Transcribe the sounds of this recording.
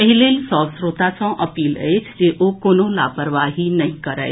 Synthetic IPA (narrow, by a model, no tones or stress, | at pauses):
pəɦilelsɔ̃ʋskɾut̪at͡sɔ̃ʔəpiːlet͡ʃd͡ʑeʔokonola̰pəɾʋaɦinəɦĩkəɾa̰ḛ